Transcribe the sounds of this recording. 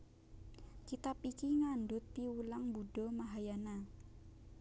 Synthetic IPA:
kit̪apikiŋandʊt̪̚piulaŋbuɖɔmaɦajana

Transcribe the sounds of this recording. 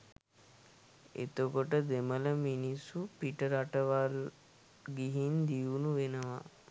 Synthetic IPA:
ḛt̪okoʈəd̪emələminisupiʈəɾaʈəʋal | ɡiɦind̪iunuʋenəʋa̰

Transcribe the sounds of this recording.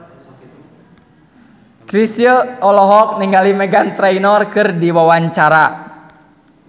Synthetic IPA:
kɾisjəɔlɔɦɔk̚niŋɡalimɛɡant̪ɾɛinɔrkɨrdiwawaɲt͡ʃaɾa

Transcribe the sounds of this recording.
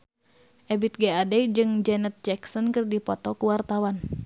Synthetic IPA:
ʔɛbit̪̚ɡɛadɛd͡ʒɨŋd͡ʒɛnɛt̪̚d͡ʒɛksɔnkɨrdipɔt̪ɔkuwart̪awan

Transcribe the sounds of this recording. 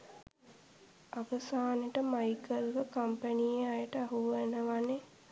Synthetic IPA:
aʋəsaːneʈəmajkəlʋəkampənijeajəʈəaɦuʋenəʋane

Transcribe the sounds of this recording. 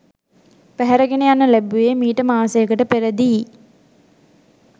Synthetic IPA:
pæɦæɾəɡenejanːəlæbuemiːʈəmaːsejəkəʈəpeɾəd̪i

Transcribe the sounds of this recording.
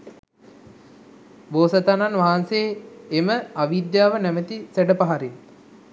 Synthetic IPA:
boːsət̪ananʋaɦansejːməaʋid̪jaːʋənæmət̪isæɖəpaɦaɾin

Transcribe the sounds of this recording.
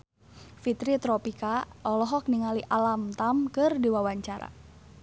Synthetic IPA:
fit̪ɾit̪ɾɔpikaɔlɔɦɔk̚niŋaliʔalamt̪amkɨrdiwawaɲt͡ʃaɾa̰

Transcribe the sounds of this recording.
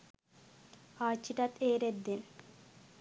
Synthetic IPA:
aːt͡ɕːiʈat̪eːɾed̪en

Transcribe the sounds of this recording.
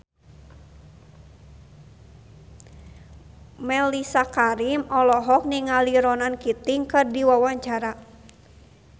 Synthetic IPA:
mɛlisakaɾimɔlɔɦɔk̚niŋaliɾɔnankit̪iŋkɨrdiwawaɲt͡ʃaɾa

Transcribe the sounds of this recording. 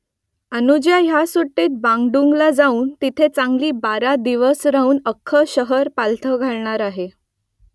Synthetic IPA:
ənud͡ʑjaɦjasoʈːiːt̪̚bãŋɡɖuŋɡlad͡zauːnt̪it̪ʰet͡saŋɡliːbaɾad̪iʋəsɾaɦuːnəkʰːəɕəɦəɾpalt̪ʰəɡʱaɭɳaɾaɦe

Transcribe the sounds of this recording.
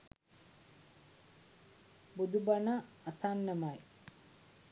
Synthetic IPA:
bud̪ubɐnaː | sanːɐmaj

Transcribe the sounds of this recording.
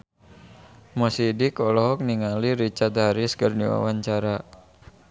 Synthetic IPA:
mɔsidikɔlɔɦɔk̚niŋaliɾit͡ʃart̪̚ɦaɾɪskərniwa̰waɲt͡ʃaɾa

